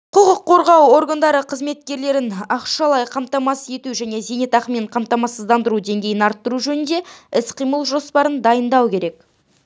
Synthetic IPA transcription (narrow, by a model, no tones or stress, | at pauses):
qʰʊʁəqʰːo̞ɾʁɑwo̞ɾɡand̪ɑɾəqʰəzme̞t̪̚kʲe̞ɾle̞ɾɪnɑqʃɑlˠɑjqʰɑmt̪ɑmɑsəe̞t̪uʒæne̞zenet̪ʰɑqmeɴqʰɑmt̪ɑmɑsəzd̪ɑnd̪əɾud̪e̞ŋɡʲe̞jɪnɑɾt̪ːəɾuʒɵnɪnd̪e̞ɪsqʰijməlˠʒo̞spɑɾənd̪ɑjənd̪ɑwkʲe̞ɾe̞k̚